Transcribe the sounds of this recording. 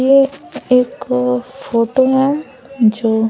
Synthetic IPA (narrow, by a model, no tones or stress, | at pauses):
eeːkfoːʈoɦɛ | d͡ʒoː